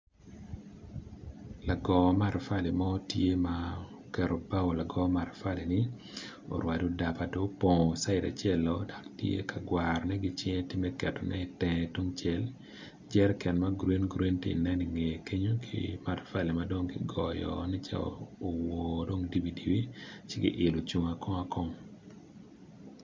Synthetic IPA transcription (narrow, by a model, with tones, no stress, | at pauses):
la˨ɡɔ˨ma˦˨ɾfa˦li˨ma˦tje˦ma | kɛ˨ɾɔ˨ba˦o˨la˨ɡɔ˦ma˨ɾfa˦li˨nɪ˦ | o̰˨ɾwa˨do˦da˨pa˨do˦pɔ˨sa˦ɪ˨da̰˨t͡ʃɛ˦lɔda˨ktjḛ˦kʰa˨ɡwaɾɔnɛ˦ɡɪ˦t͡ʃɪ˦ɛ˦tɪ˦mɛ˦kɛ˨tɔ˨nɛ˦tɛ̃to˦ŋt͡ʃɛ˦l | d͡ʒɛ˦ɾkɛ˨nmaɡɾe˦nɡɾe˦nti˨i˨nɛ˦ni˨ŋe˨kʰe˦ɲo˦kʰḭma˨rfa˦lɛ˨mado˦ŋkɪ˦ɡɔ˨jɔ̰˨nɛ˦t͡ʃa̰ː˨wo˨do˦ŋdi˦bi˨di˨wi˦t͡ʃɪ˦ɡɪ̰˦ʔɪ˨lo˨t͡ʃu˨ŋa˨kɔ˦a˦kɔ˦ŋ